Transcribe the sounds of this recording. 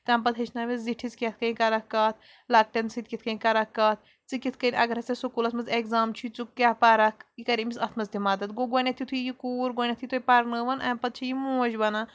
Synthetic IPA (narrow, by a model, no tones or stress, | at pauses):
t̪ɐmpɐd̪ɦɐt͡ʃʰnaːʋiziʈʰit͡skʲet̪̚ʰkɐĩkɐɾɐkːɐːt̪̚ʰ | lɐk̚ʈɐnsit̪̚ʲkʲit̪kɐĩkɐɾɐkːaːt̪̚ʰ | t͡sɨkʲit̪ʰkɐnʲʔɐ̰ɡɐɾɦɐsesukuːlɐt̪mɐzekzaːmt͡ʃʰut͡sukkːʲaːpaːɾɐkikɐɾimisɐt̪ʰmɐzd̪imaːd̪ɐt̪ɡoɡonʲɐt̪ʰjit̪ʰuijikuːɾɡoːnʲɐt̪ʰit̪ʰupɐɾnəːʋɐnʔɐmpɐd̪̚t͡ʃʰijimuːd͡ʒbɐna